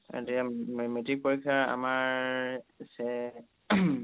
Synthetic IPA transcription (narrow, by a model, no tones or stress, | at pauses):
a̰diamemetik̚poɹikʰːaɹa̰maɹ | sɛ